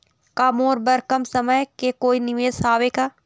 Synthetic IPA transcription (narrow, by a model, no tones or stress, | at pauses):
kamoːɾbəɾkəmsɐməjkekoːinɪʋeːsaːʋeːkaː